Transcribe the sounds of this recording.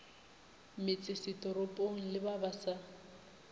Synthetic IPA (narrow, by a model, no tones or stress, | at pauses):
mɪt͡sʼɪsɪtʼɔɾopʼoŋ̩lɪbabasa